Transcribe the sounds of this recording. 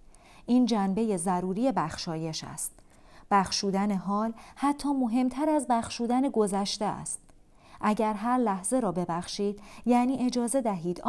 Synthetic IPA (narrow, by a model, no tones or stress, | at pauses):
ʔiːnd͡ʒænbe̞je̞zæɾuːɾiːje̞bæxʃɒːje̞ʃæ̰st̪̚ | b̥æxʃuːd̪æne̞ɦɒːlhæt̪ʰːɒːmo̞ɦe̞mt̪ʰæɾæzbæxʃuːd̪æneɡo̞zæʃt̪eæ̰st̪̚ | ʔæɟæɾɦæɾlæhze̞ɾɒːbebæxʃiːd̪̥jæːniːʔe̞d͡ʒɒːze̞d̪æɦiːd̪